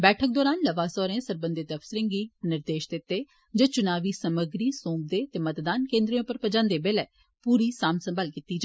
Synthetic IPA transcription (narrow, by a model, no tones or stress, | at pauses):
bɛːʈʰək̚d̪ɔːɾaːnləʋaːsɔːɾẽːsəɾbənd̪et̪əfsɾɪ̃ŋɡiːnɪɾd̪eːʃd̪ɪt̪ːeː | d͡ʒeːt͡ʃʊnaːʋiːsəməɡɾiːsõːb̚d̪eːt̪eːmət̪d̪aːnkẽːnd̪ɾejõːpəɾpəd͡ʒãːnd̪eːbeːlɛː | puːɾiːsaːmsəmbʱaːlkiːt̪ːiːd͡ʒaː